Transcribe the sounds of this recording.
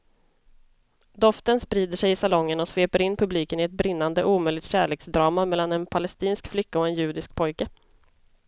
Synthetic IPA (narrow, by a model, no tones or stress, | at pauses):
d̪ɔft̪ənspɾiːd̪əʂɛjɪsalɔŋːənɔsveːpəɾɪnːpʰɵbliːkənɪɛt̪̚bɾɪnːand̪əʔuːmœjlɪt̪ɕæːɭeːksd̪ɾɑːmamɛlːanɛnpʰalɛst̪iːnskflʏkːaɔɛnjʉ̟ːd̪ɪsk̚pʰɔjkə